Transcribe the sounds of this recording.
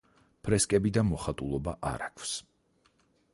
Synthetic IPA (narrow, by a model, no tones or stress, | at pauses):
pʰɾɛskʼɛbid̪amɔχat̪ʼulˠɔbaʔa̰ɾakʰws